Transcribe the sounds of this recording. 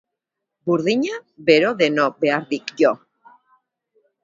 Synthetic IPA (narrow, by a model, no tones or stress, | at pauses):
buɾðiɲaβe̞ɾoðe̞nobe̞aɾðikjo